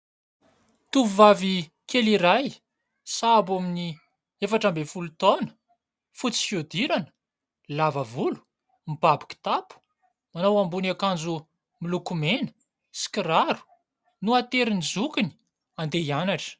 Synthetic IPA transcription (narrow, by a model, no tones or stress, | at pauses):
t̪uuvavi | keliɾaj | sabamini | efaʈ͡ʂambefulut̪onə̥ | fut͡si̥fjod̪iɾanə̥ | lavavulu̥ | mibabi̥kʲi̥t̪apu̥ | manawambunakand͡zu | milukumenə̥ | si̥kiɾaɾu̥ | nuat̪eɾinid͡zukini̥ | and̪eianaʈ͡ʂə̥